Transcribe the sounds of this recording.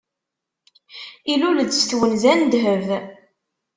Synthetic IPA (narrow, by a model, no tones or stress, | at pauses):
iluləd̪sθwənzænd̪ɦəv